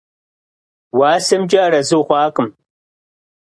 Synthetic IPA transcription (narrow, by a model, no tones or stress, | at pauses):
waːsɨmd͡ʒʼaːɾɐzɨwχʷɑːqʼɨm